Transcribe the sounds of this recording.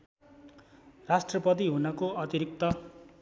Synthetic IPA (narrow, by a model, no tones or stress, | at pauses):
rasʈrʌpʌt̪̬iɦunʌkoʌt̪iɾik̚t̪ʌ